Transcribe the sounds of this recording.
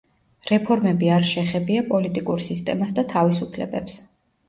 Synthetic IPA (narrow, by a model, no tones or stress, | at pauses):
ɾɛpʰɔɾmɛbiaɾʃɛχɛbiapʼɔlit̪ʼikʼuɾsist̪ʼɛ̰masd̪at̪ʰavisupʰlɛ̰bɛps